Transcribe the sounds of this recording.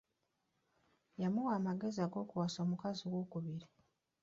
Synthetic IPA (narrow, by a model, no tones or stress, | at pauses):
jamuwaːmaɡe̞ziaɡo̞ːkuwaso̞ːmukaziwoːkuβiɾi